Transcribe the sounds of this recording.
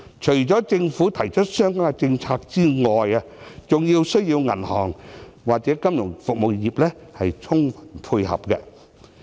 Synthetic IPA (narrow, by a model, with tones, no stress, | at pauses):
t͡ʃʰɵ˨˩ɥt͡sɔː˨˥t͡sɪ˧ŋfuː˨˥t̪ʰɐ˨˩jt͡ʃʰɵ˥t̚sœː˥ŋkaː˥kɛ˧t͡sɪ˧ŋt͡sʰaː˧k̚t͡siː˥ŋɔː˨ja˧ | t͡sʊ˨ŋjiː˧wsɵ˥ɥjiː˧wŋɐ̰˨˩nhɔː˨˩ŋwaː˨k̚t͡sɛː˨˥kɐ˥mjʊ˨˩ŋfʊ˨k̚mo˨wjiː˨p̚lɛː˥hɐ˨jt͡sʰʊ˥ŋfɐ̥˨˩npʰuː˧jhɐ̰˨p̚kɛ˧